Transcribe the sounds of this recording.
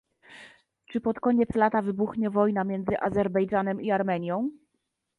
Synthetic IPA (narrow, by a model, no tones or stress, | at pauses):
t͡ʂɘpɔt̪kɔɲɛt̪slat̪avɘbuxɲɛvɔjnamʲjɛnd̪zɘʔazɛɾbɛjd͡ʐanɛmiaɾmɛɲjɔ̃w̃